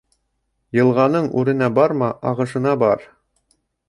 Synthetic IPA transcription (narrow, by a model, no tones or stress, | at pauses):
jɤ̆lˠʁɑnɤɴʉ̰ɾɘ̆næbɑɾmɑʔɑʁɤ̆ʃɤ̆nɑbɑɾ